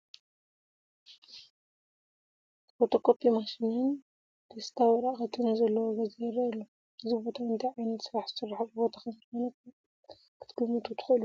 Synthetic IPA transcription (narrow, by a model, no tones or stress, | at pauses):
bot̪ʰokopʰimaʃinɨn | d̪est̪ʰawiɾaʔxɐt̪ʰɨnzɐlːɐwoɡɐzeɾɐɐlːo | ɨzibo̞t̪ʰawɨnt̪ʰiʕajnɐt̪sɨɾaħzɨ̥sɨɾːaħabɨbo̞t̪ʰaxɐnzxonɐt̪ | kʰɨ̥t̪ʰɡɨmːɨt̪ʰut̪ʰɨ̥xʔɨlu